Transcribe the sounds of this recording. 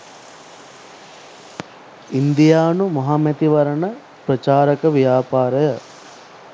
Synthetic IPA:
ind̪ijaːnumɐɦamɛt̪iʋɐɾɐɳə | pɾɐt͡ʃaːɾəkəʋijaːpaːɾɐjə

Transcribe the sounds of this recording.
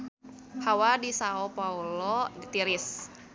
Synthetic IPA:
hawadisaopaulɔit̪iɾɪs

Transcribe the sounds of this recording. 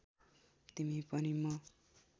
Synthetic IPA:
t̪imipʌnimʌ

